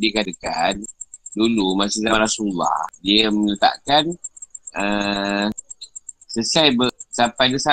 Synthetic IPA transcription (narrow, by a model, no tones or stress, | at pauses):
dikadəkan̚dulumasizamaɾasulːa̰hdiəmənət̪a̰ʔkan | ə | səsajbəsapajdəsa